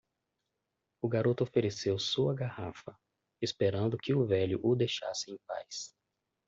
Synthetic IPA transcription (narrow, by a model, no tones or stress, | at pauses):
ʊɡaɾot̪ʊofeɾesewsuɐɡahafɐ | espeɾɐ̃nd̪ʊkɪʊvɛʎʊ̰ʔʊd̪ejʃa̰sɪẽj̃pa̰js